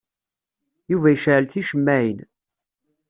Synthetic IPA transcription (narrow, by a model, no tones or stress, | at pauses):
juvæjəʃʕəlθiʃəmːæin